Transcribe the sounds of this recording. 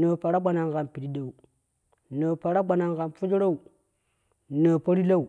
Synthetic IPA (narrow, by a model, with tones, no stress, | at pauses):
nə˨pa˨ɾa˦ɡ͡ba˨na˨ŋɡa˨npi˨ɾi˦da˨u˨ | nə˨pa˨ɾa˦ɡ͡ba˨na˨ŋɡa˨nfu˦d͡ʒɾa˦u˨ | nə˨pa˦ɾi˦la˦u˨